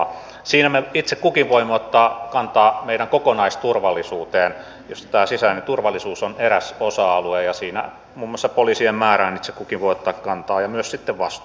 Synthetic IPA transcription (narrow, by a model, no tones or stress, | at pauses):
siːnæmeit̪sekkukiʋʋoimːot̪ːɑːkɑnt̪ɑːmeiɾæŋkokonɑist̪urʋɑlːˑisuːt̪eːn | jost̪æːsisænit̪urʋɑlːˑisuːsoneɾæsosɑːɑluejɑsiːnæ̰ | muːmːŏɑsːɑpoliːsiemmæːræːnit̪sekkukiʋʋoˑiot̪ːɑːkkɑnt̪ɑːjɑmyøssit̪ːeʋʋɑst̪u